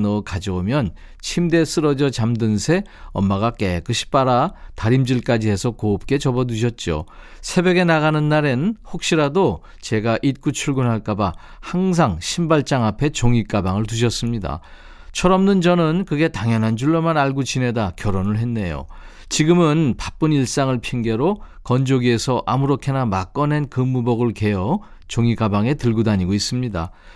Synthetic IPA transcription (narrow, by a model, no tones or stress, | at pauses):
nʌkad͡ʑʌomjʌn | t͡ɕʰimde̞s͈ʰɯɾʌd͡ʑʌt͡ɕamdɯnsʰe̞ | ʌmːaɡak͈ek͈ɯɕʰi̥p͈aɾataɾimd͡ʑiɭk͈ad͡ʑiɦe̞sʰʌkoːp̚k͈e̞t͡ɕʌbʌduɕ̬ʰʌt̚t͡ɕ͈o̰ | sʰe̞bjeɡe̞naɣanɯnːaɾenɯnhok̚ɕ͈iɾado | t͡ɕe̞ɡaʔit̚k͈ut͡ɕʰuɭɡunɦaɭk͈aba | haŋs̬ʰaŋɕʰimbaɭt͡ɕ͈aŋapʰe̞t͡ɕoŋik͈abaŋɯɭtuɕ̬ʰʌs͈ɯmɲida̰ | t͡ɕʰʌɾʌmnɯnd͡ʑʌnɯnkɯɡe̞taŋjʌnɦand͡ʑuɭːʌmanaɭɡut͡ɕine̞dakjʌɾonɯɭɦe̞nːe̞jo̰ | t͡ɕiɡɯmɯnpḁp͈ɯniɭs͈aŋɯɭpʰiŋɡe̞ɾokʌnd͡ʑoɡie̞sʰʌʔamuɾokʰe̞namak͈ʌne̞nkɯmːubʌɡɯɭke̞jʌ | t͡ɕoŋikabaŋe̞tɯɭɡudaɲiɡois͈ɯmɲida̰